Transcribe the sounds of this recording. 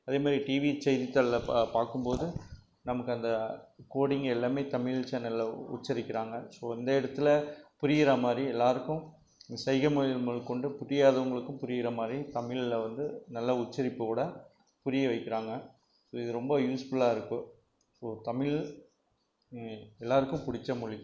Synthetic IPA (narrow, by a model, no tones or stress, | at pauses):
ɐðeːmaːd̪ɾiʈiːʋit͡ʃɛɪðɪt̪ːɐllɐpaːɾkɯmpoːðɯ | nɐmɐkːɯɐnd̪ɐkoːɽɪŋɡɛlːaːmeːt̪ɐmɪɭt͡ʃːɐnɐlːɐʊ̰t͡ʃːɪɾɪkːɪɾaːŋɡɐsoːɪnd̪ɐɪɽɐt̪ːɯlɐpʊɾɪɣɪɾɐmaːd̪ɾiɛlːaːɾɯkːɯ̃ | sɐɪɣɐmʊɪmɐɭkɔɳɖɯpʊɾɪjaːðɐʋɐŋɡɐɭɯkːɯ̃mpʊɾɪɣɪɾɐmaːd̪ɾit̪ɐmɪɭɪlʋɐnd̪ɯnɐlːɐʊt͡ʃːɐɾɪpːɯkuːɽɐ | pʊɾɪjɛʋɐɪkːɪɾaːŋɡɐ | soːɪðɯɾɔmbɐjuːsfɯɭaːɪɾɯkːɯ | soːt̪ɐmɪl | ɛlːaːɾɯkːɯ̃mpʊɽɪt͡ʃːɐmʊɭɪ